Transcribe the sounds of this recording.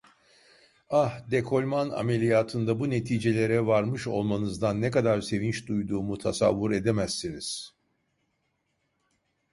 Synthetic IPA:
ahd̪ekʰo̞lʲmana̰melʲijaːt̪ʰɯnd̪abune̞t̪ʰiːd͡ʒe̞lʲe̞ɾɛvaɾmɯʃo̞̰lˠmanɯzd̪anːɛkad̪aɾse̞vint͡ʃd̪ujd̪uːmut̪ʰasa̰vːuɾe̞d̪emæsːiniz̥

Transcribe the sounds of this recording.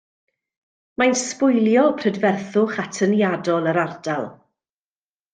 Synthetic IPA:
majnspʊjlˠjɔpʰr̥ədvɛrθʊχatʰənjadɔlˠəɾard̥alˠ

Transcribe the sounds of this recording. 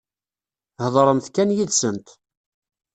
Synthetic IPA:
hðˤɾˤəmθkænjiðsənt̪

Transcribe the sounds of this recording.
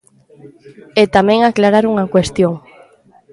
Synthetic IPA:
et̪amẽŋaklaɾaɾuŋakwest̪joŋ

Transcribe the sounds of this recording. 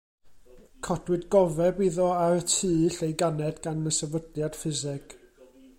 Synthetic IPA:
kʰɔd̥wɨdɡɔvɛbiðɔaɾətʰɨːɬejɡanɛdɡanəsɛvədljad̥fɪzɪɡ̥

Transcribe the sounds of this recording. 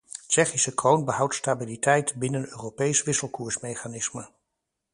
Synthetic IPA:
t͡ʃɛχisəkrownbəɦʌwtstabilitɛjtbɪnənøːropejsʋɪsəlˠkuːɹsmejχanɪsmə

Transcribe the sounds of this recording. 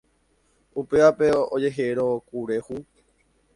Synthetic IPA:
upeape̞od͡ʒe̞ɦeɾokuɾe̞hu

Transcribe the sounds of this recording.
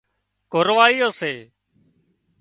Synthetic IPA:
kʊɾʋaːiːjoːseː

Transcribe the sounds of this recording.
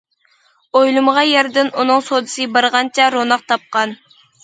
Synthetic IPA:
ojlˠumʁɑjɛɾd̪ɪnunɨŋsod̪ɨsɨbɑɾʁɑnt͡ʃʰɛɾonɑqt̪ʰɑp̚qɑn

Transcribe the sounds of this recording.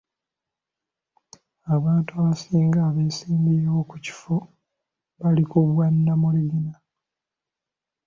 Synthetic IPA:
aβaːntuaβasiːŋɡaːβeːsiːmbiewo̞kuci̥fo | βalikuβwanːamuliɡina

